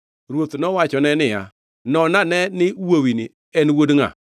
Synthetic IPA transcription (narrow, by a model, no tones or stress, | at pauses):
ɾwot̪nɔwat͡ʃɔnɛnɪja̰ | nɔnanɛnɪwowinɪ | ɛnwodŋa̰